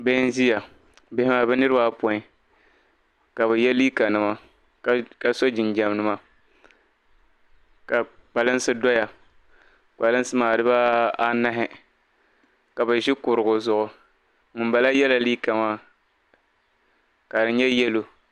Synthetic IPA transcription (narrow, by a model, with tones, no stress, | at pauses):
bɛ˦n˦zi˦ja˨ | bɪ˦hɪ˦ma˨bɛ˦nɨ˦ɾɨ˦ba˦pɔ˨ɪ˨ | ka˨βɛ˨jɛ˦liː˦ka˨nɨ˨ma˨˦ | ka˦so˦d͡ʒɪ˨nd͡ʒɛ˨m˦nɨ˦ma˦ | ka˨k͡pa˨lɨ˦n˦sɨ˦dɔ˦ja˨ | k͡pa˨lɨ˦n˦sɨ˦maː˨dɨ˦ba˦a˦na˦ɦɪ˦ | ka˨ba˨ʒɪ˦kʊ˨ɾɨ˨ɡʊ˨zʊ˨ʔʊ˨ | ŋɨ˨mba˨la˦jɛ˦la˨liː˦ka˨maː˦˨ | ka˨dɨ˨ɲɛ˦jɛ˦lo˨